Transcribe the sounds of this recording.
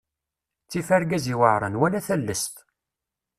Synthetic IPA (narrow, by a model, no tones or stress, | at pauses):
t͡sːifæɾɡæziwəʕɾˤə̰nwælæθəlːəst̪